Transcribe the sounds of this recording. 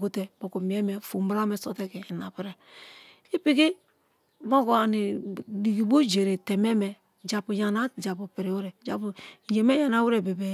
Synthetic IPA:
ɡo˨te˨bo˨ko˨mi˨e˦me˨fu˨m˦bɾa˦me˨so˨te˦ke˨na̰˨pi˦ɾe˨ | i˦pi˦ki˦ | mo˦ko˨a˨ni˨di˨ɡi˨bo˦d͡ʒe˨ɾe˨te˨me˦me˨ | d͡ʒa˨pu˨ja˨na˦d͡ʒa˨pu˨pi˨ɾe˨wu˦ɾe˨d͡ʒa˨pu˨˦d͡ʒe˨me˦ja˨na˨˦wu˦ɾe˨be˨be˨

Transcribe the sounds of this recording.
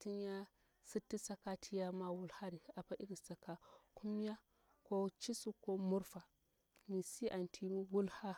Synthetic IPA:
ti˦nja˦ | si˦tːi˦sa˦ka˦tʰi˦ja˦ma˦wu˦lha˦ɾi˨a˨pa˦ʔi˦ɾi˨sa˨ka˨ku˦m˦a˦ | ko˦t͡ʃi˦su˦ko˦mu˦ɾfa˨ | mi˨si˦ʔa˨ntʰi˦wu˦lha˦

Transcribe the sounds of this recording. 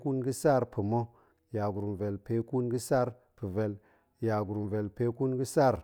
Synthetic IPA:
ku˦nɡi˦sa˦˨ɾpʰi˨mo˦ | ja˨ɡu˨ɾu˨mve˨lpe˨˦ku˦nɡə˦sa˦˨ɾ | pɨ˨ve˨l | ja˨ɡu˨ɾu˨mve˨lpe˦ku˦nɡə˦sa˦˨ɾ

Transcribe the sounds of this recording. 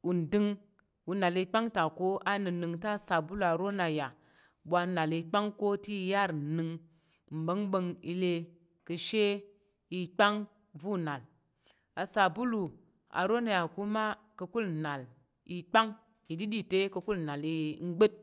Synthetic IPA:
u˨n̩˨dɨ˧ŋ | wu˨na˨li˧k͡pa˦ŋta˨ko˦a˦nɨ˨nɨ˧ŋta˦˨sa˨bu˦lu˨a˨ɾo˦na˨ja˨ | ɓʷa˧˦na˨li˧k͡pa˦ŋko˦ti˦ja˦˨ɾnɨ˧ŋ | m̩˨bə˦ŋɓə˧ŋḭ˧le˧ | kɨ˧ʃe˦ | i˧k͡pa˦ŋ | vu˦˨na˨l | a˨sa˨bu˦lu˨ | a̰˨ɾo˦na˨ja˨ku˦ma˦ | kə˧ku˦lna˨l | i˧k͡pa˦ŋ | i˨di˦di˦˨te˦kə˧ku˦lna˨li˧˦ŋ͡m̩˦ɡ͡be˦t̚

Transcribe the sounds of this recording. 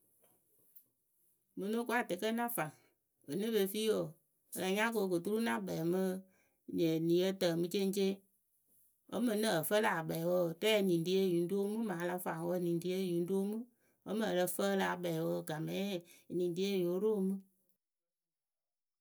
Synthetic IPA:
mɨ˧no˦kʷu˦a˦˨te˨kə˦nã˦fa˨ŋ | ə˨nɨ˦be˧˨fi˦wo˨ | ə˨la˨ɲã˦k̬o˧˨kɨ˨tu˦ɾu˦nã˦bɛ˨mə˦ | ɲə˨nĩ˨jə˦tə˨mɨ˧t͡ʃe˦n˦t͡ʃe˦ | o̰˦mə˨nə˦ə˨fə˦la˨a˨bɛ˨wə˧˨tɛː˦˨nĩ˨n˨di˨˦e˦˨ju˨n˦do˦mɨ˦mãː˨˦la˦fa˨ŋ˨wə˧˦nĩ˨di˨˦ə˦˨ju˨n˦do˦mɨ˦ | o˦mə˨lə˧fə˦la˦˨a˨bɛ˨wə˧˦˨ɡa˨mɛ˨˦˨nĩ˨n˨di˦e˦˨jo˨˦ɾo˦mɨ˦

